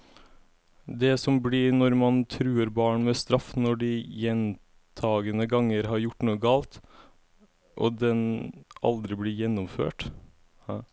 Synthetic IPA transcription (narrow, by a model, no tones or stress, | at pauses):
d̪ɛsɔmbliːnɔɾmɑnt̪ʰɾʉːəɾbɑːɳmɛst̪ɾɑfnɔɖiːjɛn | t̪ʰɑːɡənəɡɑŋːəɾɦɑɾjʊʈːnuːəɡɑːlt̪ | ʔɔ̰d̪ɛnʔɑ̰ld̪ɾɪblɪjɛnːɔmfø̰ːʈ